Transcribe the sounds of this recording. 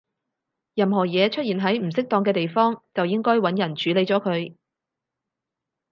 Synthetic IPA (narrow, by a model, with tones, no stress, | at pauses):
jɐ˨mɦɔː˨˩jɛː˨˧t͡ʃʰɵ˥t̚jiː˨˩nɦɐ˨˥jm̩˨˩sɪ˥k̚t̪ɔː˧ŋk̬ɛː˧t̪e˨jfɔː˥ŋt͡sɐ˨wjɪ˥ŋkɔː˥jwɐ˨˥njɐ˨˩nt͡ʃyː˨˥le˨˧jt͡sɔː˨˥kʰɵ˨˧ɥ